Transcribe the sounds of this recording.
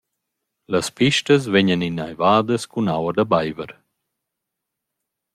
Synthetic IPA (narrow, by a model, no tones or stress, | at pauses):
laspiʃt̪əsveɲəninajvaːd̪əskunawəd̪abajvəɾ